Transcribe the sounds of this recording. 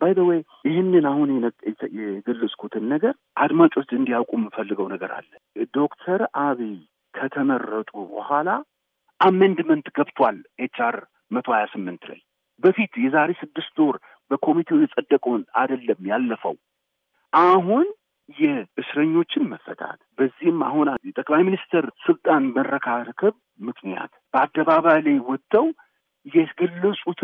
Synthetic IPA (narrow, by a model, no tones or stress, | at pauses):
bajdəwe | ɪhɪnːɨnahunjɛɡəlːɨsʼkʰut̪ʰɨnːəɡəɾ | ʔad̪mat͡ʃʼo̞t͡ʃːɨnd̪ijawkʼumɨfəlːɨɡəwnəɡəɾa̰lːə | d̪o̞kt̪ʰəɾaβi | kʰət̪ʰəməɾːət̪ʼubə̰hʷala | ʔamːənd̪mənt̪ɡəβt̪ʰwalʔet͡ʃːaɾ | mət̪ʰo̞hajasɨmːɨnt̪ʰɨla̰j | bəfit̪jɛzaɾe̞sɨd̪ːɨst̪oɾ | bəkʰo̞mit̪ʰewjɛsʼəd̪ːəkʼonad̪əlːəmːjalːəfə̰w | ʔaɦun | jɛɨsɾəɲːo̞t͡ʃːɪnməfːə̰t̪ʰa̰t̪bəzːihma̰hunajɛt̪ʼəkʼlajminist̪ʰəɾsɨlt̪ʼanmərəkʰakʰəβ | mɨkʰnija̰t̪b̥əad̪ːəβaβajlajwɔt̪ːəw | jɛɡɨlːəsʼut̪